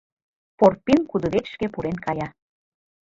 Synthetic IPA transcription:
porpːinkud̪uβekʃkepuɾenkɑjɑ

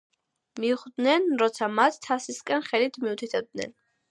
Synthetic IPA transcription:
miuχd̪nɛnɾɔt̪sʰamat̪ːʰasiskʼɛnχɛlit̪ʰmiut̪ʰit̪ʰɛb̚d̪nɛ̰n

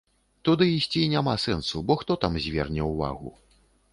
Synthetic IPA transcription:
t̪ud̪ɨisʲt͡sʲinʲamasɛnsubɔxt̪ɔt̪amzʲvʲɛ̰rnʲɛwva̰ɣṵ

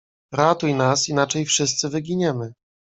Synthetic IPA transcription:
ɾat̪ujnasinat͡ʂɛjfʂɘst̪sɘvɘɡʲiɲɛmɘ

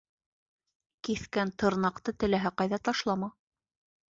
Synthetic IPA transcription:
kiθkænt̪ɤ̆ɾnɑqt̪ɤt̪ɘ̆læɦæqɑjðɑt̪ɑʃlˠɑmɑ

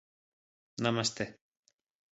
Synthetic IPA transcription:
namast̪e

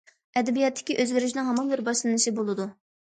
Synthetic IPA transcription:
ɛd̪ɛbijɛt̪ʰːɪ̥kʲiʔøzɡʲiɾɪʃnɪŋɦɑmɑnbɪɾbɑʃlˠɨnɨʃibolˠɨd̪u

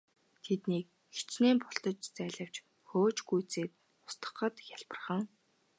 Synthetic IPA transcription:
t̪ʰet̪niːk̚ | xe̥t͡ɕneːmpɔɬt̪ɞ̆t͡ɕt͡sæːɮə̆w̥t͡ɕ | xoːt͡ɕɡujt͡seːt̪̚ | ʊ̥st̪ə̥̆χə̆t̪jaɮpə̆rχə̆ŋ

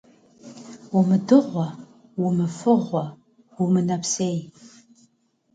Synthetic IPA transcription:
umɨdɨʁʷɔ | wumɨfɨʁʷɐ | umɨnɐpʰseːj

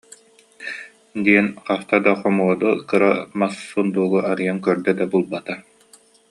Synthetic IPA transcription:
d̪iɛnqaft̪ad̪aχɔmuɔd̪ukɯɾamasːund̪uːɡuaɾɯjaŋkœɾd̪ɛd̪abulˠbat̪a

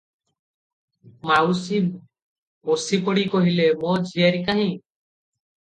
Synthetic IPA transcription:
maui | mosipɔɽiːkɔɦilemɔːd͡ʒʱieɾikaɦĩː

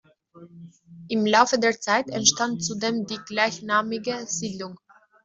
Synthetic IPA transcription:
ʔɪmlaʊfədeːɐt͡saɪtɛntʃtant̚t͡sudeːmdiːɡlaɪçnaːmɪɡəz̥iːdlʊŋ

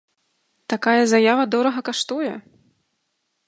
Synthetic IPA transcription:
t̪akajɐzajavɐd̪ɔɾɐɣɐkaʂt̪ujɛ

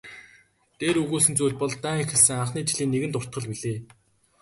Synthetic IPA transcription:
t̪eːɾɵɣoːsɘ̆nt͡sujɮʲpɔɮt̪æːŋexɘ̆ɮsɘ̆ŋaɴχniːt͡ɕiɮiːnːeɣɘ̆nt̪ʊr̥t̪̚ɢə̆ɮpiɮeː

